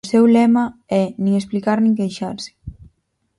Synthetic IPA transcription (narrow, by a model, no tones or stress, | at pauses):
ʊsɛwlɛmɐɛnĩŋesplikaɾnĩŋkejʃa̰ɾsɪ̥